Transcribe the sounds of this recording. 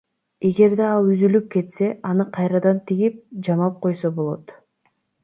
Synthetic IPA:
e̞ɡe̞ɾd̪eɑlˠyzylyp̚ke̞t̪se̞ʔɑnɯqʰɑjɾɑd̪ɑnt̪ʰiɡip̚d͡ʒɑmɑp̚qʰo̞jsobo̞lˠo̞̰t̪

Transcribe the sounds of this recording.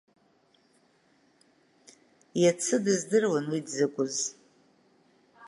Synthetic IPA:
jat͡sʰɨdɨzdɨrwanwidzɨkʷʼʊz

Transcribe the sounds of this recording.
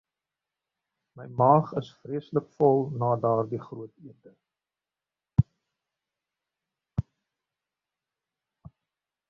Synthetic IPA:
məjmɑːχəsfriəsləkfɔlˠnɑːdɑːrdiχruətiərdə

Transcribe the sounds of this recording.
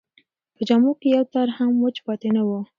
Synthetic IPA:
pəd͡ʒamokejawt̪aɾhamwot͡ʃpɑt̪enawo

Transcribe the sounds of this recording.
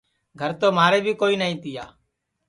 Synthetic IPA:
ɡʱəɾt̪oːmaːɾeːbʱiːkoːiːnaːĩːt̪ɪja̰ː

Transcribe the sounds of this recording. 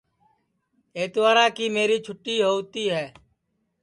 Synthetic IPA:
eːt̪ʋaːɾaːkiːmeːɾiːt͡ʃʰʊʈːiːɦoːt̪iːɦɛː

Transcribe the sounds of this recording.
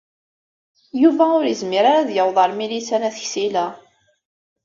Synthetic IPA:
juvæʊɾjəzmiɾaɾaðjəwðˤɑɾmilisænæθəçsilæ

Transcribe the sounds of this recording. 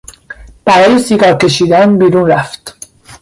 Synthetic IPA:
b̥æɾɒːjesiːɡɒːɾke̞ʃiːd̪ænbiːɾuːnɾæft̪

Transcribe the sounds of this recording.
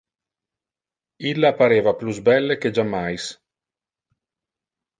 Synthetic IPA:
ilːapaɾeːvapluzbɛlːek̟ed͡ʒamːajs

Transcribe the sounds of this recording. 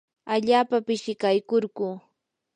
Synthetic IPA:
aʎaːpapɪʃɪkajkoɾɢu

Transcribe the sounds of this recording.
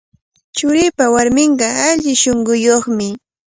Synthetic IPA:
t͡ʃʊɾɪpawaɾmɪɴɢɑaʎɪʃoɴɢʊjoχmɪ

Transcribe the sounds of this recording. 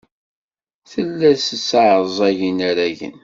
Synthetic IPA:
θəlːæsəsːaʕəzˤæʝənæɾæʝə̰n

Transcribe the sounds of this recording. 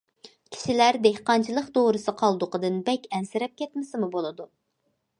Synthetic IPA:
kʲʰi̥ʃilæɾd̪ehqɑnt͡ʃʰilˠəqd̪oɾɨsɨqʰɑlˠd̪ʊqəd̪ɨnbɛkʲɛnsɪɾɛp̚kʲʰɛt̪mɪsɪmubolˠɨd̪u

